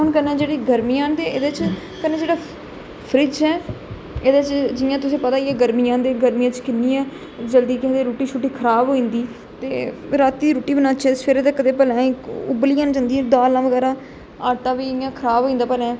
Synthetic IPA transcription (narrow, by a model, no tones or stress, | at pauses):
ɦʊnkənɛ̃ːd͡ʒeːɽiːɡəɾmijãːnt̪eḛːd̪eːt͡ʃ | kəneːd͡ʒeːɽaː | pʰɾɪt͡ʃɛː | eːd̪et͡ʃd͡ʒɪjãːt̪ʊsĩːpət̪aːiɛːɡəɾmijãːnd̪eːɡəɾmijãːt͡ʃkɪnːiːɛː | d͡ʒəld̪iːkɛd̪eːɾoːʈiːt͡ʃʰʊʈiːkʰəɾaːbɦoːĩːnd̪iː | t̪ḛːɾaːt̪ːiːd̪iːɾuːʈiːbənãːt͡ʃʰɛːpʰɪɾeːt̪eːkəd̪eːpəlãːkʊbəliːãːnd͡ʒãːnd̪iːɛ̃ːd̪aːlãːʋəɡɛːɾãː | aːʈãːʋiːɪjãːkʰəɾaːbɦoːĩːnd̪aːpəlãː